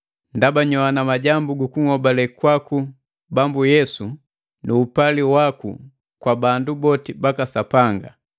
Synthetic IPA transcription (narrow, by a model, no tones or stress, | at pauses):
ndabaɲɔanamaɟambuɡukuŋɔbalɛkwaku | bambujɛsu | nuːpaliwakṵ | kwabandubɔtibakasapaŋɡa